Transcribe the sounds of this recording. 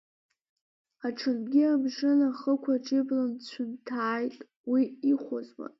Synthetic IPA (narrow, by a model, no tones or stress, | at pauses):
aʈ͡ʂʰɨnɡʲiamʂɨnaχəkʷʰaʈ͡ʂʰʼɪblant͡ɕʷʰʊntʰaːjtʼ | wiiχʷazwa̰